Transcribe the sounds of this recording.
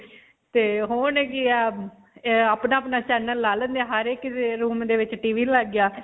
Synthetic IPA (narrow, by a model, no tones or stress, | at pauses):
t̪eːɦoːnɛkiɛ | aːpnaːəpnaːt͡ʃɛːnəlːaːlə̃nd̪aːɦəɾekːɾuːmd̪eːʋɪt͡ʃʈiːʋiːləɡjaː